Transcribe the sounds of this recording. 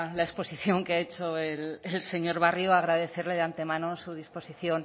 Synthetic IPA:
laespo̞siθjo̞ŋkeae̞t͡ʃoelelse̞ɲo̞ɾβ̞arjoaɣɾaðe̞θe̞ɾle̞ðeant̪e̞mãno̞suð̞ispo̞siθjo̞n

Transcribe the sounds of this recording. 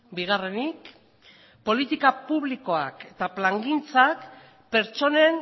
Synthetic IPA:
biɣ̞are̞nik | po̞lit̪ikapuβliko̞ake̞t̪aplaŋɡint͡sak | pe̞ɾt͡ʃo̞nen

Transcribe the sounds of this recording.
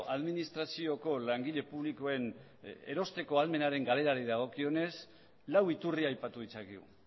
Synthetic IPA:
aðminist̪ɾasio̞ko̞laŋɡiʎe̞puβ̞liko̞e̞n | e̞̰ɾo̞st̪e̞ko̞alme̞naɾe̞ŋɡale̞ɾaɾiðaɣ̞o̞kio̞ne̞s | lawit̪uriajpat̪uit͡saɣiɣṵ

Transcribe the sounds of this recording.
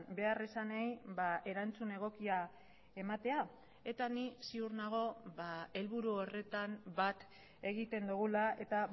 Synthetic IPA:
be̞aresanajβae̞ɾant͡sune̞ɣ̞o̞kia | e̞mat̪e̞a | e̞t̪anisiuɾnaɣ̞o̞βae̞lβuɾuore̞t̪ambat̪ | e̞ɣit̪e̞nd̪uɣulae̞t̪a

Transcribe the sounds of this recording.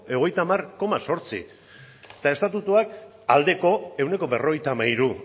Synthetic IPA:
e̞oɣ̞e̞jt̪amarko̞maso̞ɾt͡sḭ | t̪ae̞st̪at̪ut̪uak | ald̪e̞ko̞e̞wne̞ko̞be̞ro̞ɣ̞ejt̪amaiɾu

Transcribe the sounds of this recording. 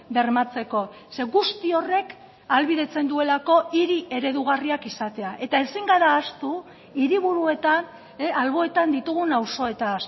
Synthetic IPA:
be̞ɾmat͡se̞ko̞ | se̞ɣust̪io̞re̞k | alβiðe̞t͡se̞nd̪ue̞lako̞iɾiʔe̞ɾe̞ðuɣ̞ariakisat̪e̞aʔe̞t̪ae̞siŋɡaɾaːst̪u | iɾiβ̞uɾue̞t̪an | alβo̞e̞t̪and̪it̪uɣ̞unawso̞e̞t̪aːs

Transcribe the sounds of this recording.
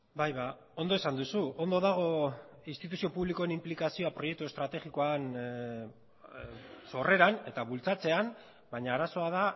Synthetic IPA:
bajβa | o̞nd̪o̞esand̪usuo̞nd̪o̞ðaɣ̞o̞inst̪it̪̬usio̞puβliko̞enimplikasio̞apɾo̞jek̚t̪ue̞st̪ɾat̪e̞ɣiko̞an | so̞re̞ɾane̞t̪aβult͡sat͡se̞an | baɲaːɾaso̞að̞a

